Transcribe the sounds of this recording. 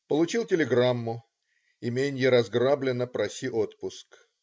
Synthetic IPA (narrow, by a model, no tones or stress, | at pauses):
pəlˠʊt͡ɕilˠtʲɪlʲɪɡɾamːʊ | imʲenʲjəɾɐzɡrablʲɪnːəpɾɐsʲiʔot̪pʊsk